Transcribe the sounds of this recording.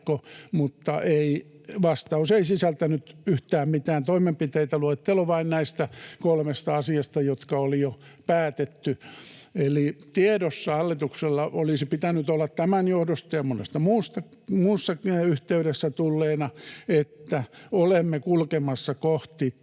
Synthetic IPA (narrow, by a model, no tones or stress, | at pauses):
komut̪ːɑ̰ʔeiʋɑst̪ɑuseisisælt̪ænyt̪yht̪æːmmit̪æːnt̪oimempit̪eit̪æluet̪ːeluʋɑinnæist̪ækolmest̪ɑɑsiɑst̪ɑjot̪kɑolijopæːt̪et̪ːyelit̪ieɾosːɑɑlːit̪ukselːɑolisipit̪ænyt̪olːɑt̪t̪æmænjohdost̪ɑjɑmonḛst̪ɑmuːst̪ɑ | muːsːɑyht̪eyɾesːæt̪ulːeːnɑet̪ːæolemːekulkemɑsːɑkoht̪i